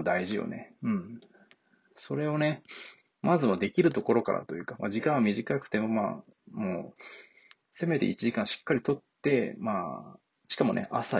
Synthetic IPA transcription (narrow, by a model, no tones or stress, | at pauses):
d̪aiʑijo̞̰ne̞̰ɯ̟̃ɴ | so̞ɾe̞o̞ne̞ | mʔazɨmod̪e̞kʲiɾɯ̟t̪o̞ko̞ɾo̞ka̰ɾʔa̰t̪o̞jɯ̟ːkamʔa̰ʑikãɰ̃amʲiʑikakɯ̟̥t̪e̞mo̞ma̰ | moː | se̞me̞t̪e̞̰it͡ɕiʑikãɰ̃ɕi̥kːaɾʲit̪o̞t̪ːe̞maː | ɕi̥kamo̞nʔḛʔasa